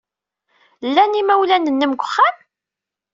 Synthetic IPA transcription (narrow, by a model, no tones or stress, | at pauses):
lːænimæwlænənːəmɡʷəχːam